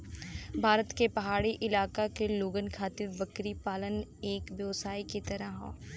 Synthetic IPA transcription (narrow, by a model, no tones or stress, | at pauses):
bʱaːɾət̪kepɐɦaːɽiʔɪlaːkakeloːɡənkʰaːt̪ɪɾbɐkɾipaːləneːkʋjɐʋsaːikit̪ɐɾəɦõ̰ː